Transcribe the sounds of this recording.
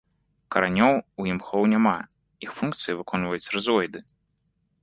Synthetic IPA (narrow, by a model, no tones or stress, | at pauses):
kɐɾanʲɔwujimxɔwnʲama | ixfunkt̪sɨjivɨkɔnvɐjut͡sʲrɨzɔjd̪ɨ